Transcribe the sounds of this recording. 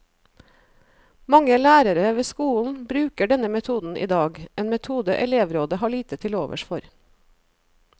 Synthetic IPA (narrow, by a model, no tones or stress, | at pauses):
mɑŋəlæːɾəɾəʋeːskuːln̩bɾʉːkəɖɛnəmɛt̪ʰuːd̪n̩ʔḭːd̪ɑːɡʔeːnmɛt̪ʰuːd̪əʔɛleːʋɾoːd̪əhɑːɭiːt̪ət̪ʰɪloːʋə̰ʃfɔɾ